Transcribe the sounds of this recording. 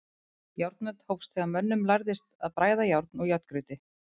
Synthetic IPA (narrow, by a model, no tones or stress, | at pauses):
jawɾt̪̚nœt̪howfst̪ʰvɛɣamœnːʏmlajɾðɪst̪aðpɾaːjðajawɾt̪nɔɣjœt̪kɾʏt̪ɪ